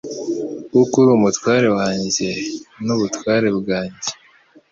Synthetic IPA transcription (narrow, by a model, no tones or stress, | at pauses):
ɡukuɾumutwaːɾe̞waːɲɟenuβutwaːɾe̞bɡaːɲɟe